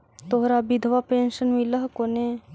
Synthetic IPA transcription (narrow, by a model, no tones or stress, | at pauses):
t̪oɦɾabid̪ʱʋapeːnʃənmiləɦkone